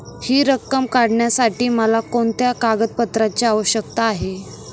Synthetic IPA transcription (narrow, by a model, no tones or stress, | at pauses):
hiːɾəkːəmkaɽɳjasaʈiːməlakoɳt̪jakaɡəd̪̚pət̪ɾat͡ɕeaʋəɕəkt̪aːɦe